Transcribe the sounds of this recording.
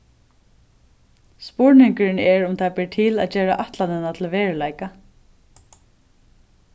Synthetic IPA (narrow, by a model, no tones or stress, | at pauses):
spʊɹnɪŋkɪɾɪnɛɹʊmt̪ʰabɪɹt̪ʰɪla̰ðd͡ʒɛːɹa̰ʔaht̪lanɛnat̪ʰɪlʋeːɹlajka